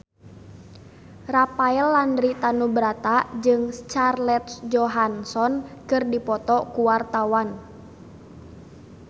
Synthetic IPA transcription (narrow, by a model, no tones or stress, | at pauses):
rapaɛlːandɾit̪anubɾat̪ad͡ʒɨŋst͡ʃarlɛt̪̚d͡ʒɔɦansɔnkɨrdipɔt̪ɔkuwart̪awan